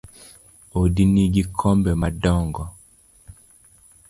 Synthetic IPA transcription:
ɔdiniɡikʰɔmbɛmadɔŋɡɔ

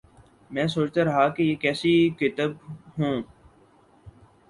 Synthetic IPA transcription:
mɛ̃ːsoːt͡ʃt̪aɾɐɦakejeːkɛːsikɪt̪əbɦũː

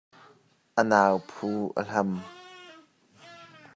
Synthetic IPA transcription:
ʔənaːwpʰuːʔə̰ɬɐm

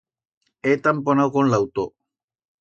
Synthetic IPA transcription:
et̪amponawɣonlawt̪o

